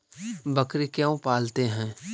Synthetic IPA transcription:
bɐkɾekjaõpaːlt̪eɦɛ̃ː

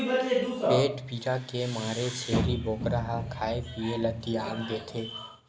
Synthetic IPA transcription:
eːʈpiːɾakemaːɾet͡ʃʰeːɾiboːkɾaɦakʰaːepielət̪ːiaːpɡeːt̪ʰeː

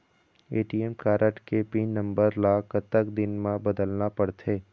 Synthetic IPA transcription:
eːʈiɛmkaːɾʔəʈkepiːnə̃mbəɾlaːkət̪ːəkd̪ɪnmãbɐd̪əlnapɐɽt̪ʰeː

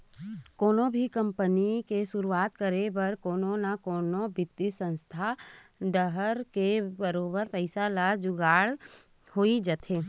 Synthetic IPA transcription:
koːnõbʱikə̃mpənikeʃʊɾuaːt̪kəɾebəɾkoːnonakoːnobɪt̪ːisə̃nst̪ʰaɖəɦəɾkebəɾoːbəɾpəɪsalad͡ʒʊɡaːɽ | hoːid͡ʒət̪ʰeː

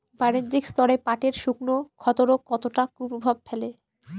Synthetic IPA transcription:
baɾind͡ʑikst̪ɔɾepaʈeɾʃuknokʰɔt̪oɾokɔt̪oʈakupobʱab̚fʰele

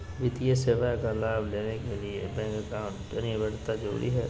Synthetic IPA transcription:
ʋɪt̪ijeseːʋakalaːbleːnekeliebɛ̃ːŋkəkãːɳʈɐnibɛɽt̪ad͡ʒəɾṵːɾḭɦɛː

